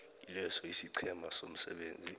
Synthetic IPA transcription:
ilɛsɔisiǀʰɛmasom̩sɛ̰ɓeːnd͡zʱi

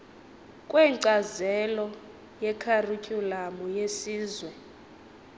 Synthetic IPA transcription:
kʼwɛǀazɛlɔ | jɛkʰarucʼulamujesiːzwɛ

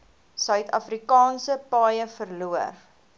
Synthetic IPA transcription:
sœɥtʰɐ̰fɾikɑːnsəpɑːjəfərluər

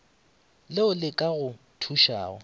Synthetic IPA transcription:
lɪʊlɪkʼaɣʊ | tʰuʃa̰ːɔ̰

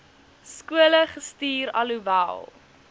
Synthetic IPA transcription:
skuələχəstiːɾɐ̰luvæ̰lˠ

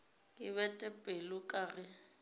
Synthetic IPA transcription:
kʼɪβɛtʼɛpʼelʊkʼaːrɪ

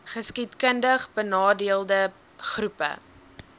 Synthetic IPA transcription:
χəskitkəndəχbənɑːdiəlˠdə | χrupə̰

